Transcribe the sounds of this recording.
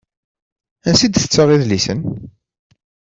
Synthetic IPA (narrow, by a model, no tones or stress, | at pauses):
ænsid̪θə̥t͡sːəʁiðlisən